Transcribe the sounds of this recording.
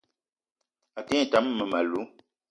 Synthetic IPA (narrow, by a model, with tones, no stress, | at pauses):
a˨tɛ̃˦˨ta˨˦mːə˨ma˨lu˨˦